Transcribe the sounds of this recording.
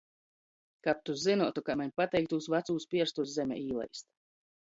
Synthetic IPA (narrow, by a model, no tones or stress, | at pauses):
kap̚t̪uzinuɔt̪ukamaɲʲpat̪ɛjk̚t̪uːsvat̪suːspʲiɛɾst̪uszɛmʲɛ̰iːlˠɛ̰jst̪